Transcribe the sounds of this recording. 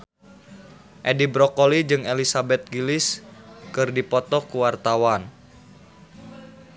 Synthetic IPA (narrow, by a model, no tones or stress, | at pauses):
ʔedibɾɔkolid͡ʒɨŋelisabɛt̪̚ɡilɪskɨrdipɔt̪ɔkuwart̪awan